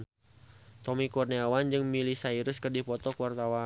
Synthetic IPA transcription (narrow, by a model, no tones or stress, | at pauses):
t̪ɔmikɔrniawand͡ʒɨŋmilisaiɾʊskərdipɔt̪ɔkuwart̪awa